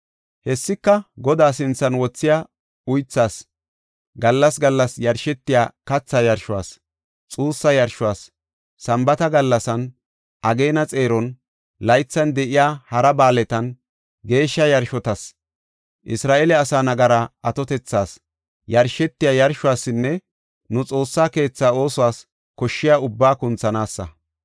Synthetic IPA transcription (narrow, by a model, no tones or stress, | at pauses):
hɛsːɪkːɐɡɔd̪aːsɪnt͡sːɐnwɔt͡sːɪja | ʊjt͡sːaːs | ɡɐlːɐsɡɐlːɐsjɐɾʃɛt̪ːɪjaːkɐt͡sːajɐɾʃʊwa̰ːs | t͡sʼuːsːɐjɐɾʃʊwaːsː | ɐmbɐt̪ɐɡɐlːɐsɐn | ʔɐɡe̞ːnɐt͡sʼe̞ːɾɔn | lɐjt͡sːɐnd̪ɛʔɪjaːhɐɾɐbaːlɛt̪ɐn | ɡe̞ːʃːɐjɐɾʃɔt̪ɐs | ʔɪsɾaːʔelɛɐsaːnɐɡɐɾɐɐt̪ɔt̪ɛt͡sːaːs | jɐɾʃɛt̪ːɪjaːjɐɾʃʊwaːsːɪnːɛ | nʊt͡sʼo̞ːsːaːke̞ːt͡sːaːo̞ːsɔwaːs | kɔʃːɪjaːʊbːaːkʊnt͡sːɐnaːsːɐ̰